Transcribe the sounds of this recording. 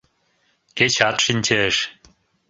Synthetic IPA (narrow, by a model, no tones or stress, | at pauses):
ket͡ɕɑt̪ʃinʲt͡ɕeʃ